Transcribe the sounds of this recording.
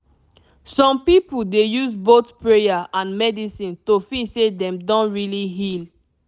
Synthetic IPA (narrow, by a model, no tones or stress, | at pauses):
sɔ̃mpipudejuzbotpɹejaʔãnmɛdisĩntofisedɛ̃mdɔ̃nɹiliɦil